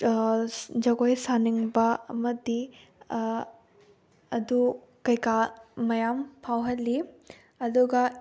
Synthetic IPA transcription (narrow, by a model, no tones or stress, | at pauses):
d͡ʒɐɡojsaniŋbɐɐ̰mɐdi | ɐdu | kɐjkamɐjampʰawɦɐlːi | ɐduɡɐ